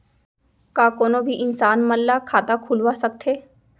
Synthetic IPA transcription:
kaːkoːnobʱiʔɪnsaːnməlːakʰaːt̪akʰulʋasək̚t̪ʰeː

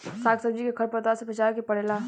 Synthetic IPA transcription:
sak̪ʰsəbd͡ʒikekʰəɾpəɾt̪asepɾət͡ʃaɾkepəɽela

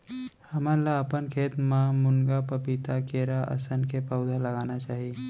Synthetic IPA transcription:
həmalaəpənkʰet̪mãmuŋɡapəpit̪akeɾaʔə̰sənkʰepawd̪ʱaləɡanat͡ʃaɦi

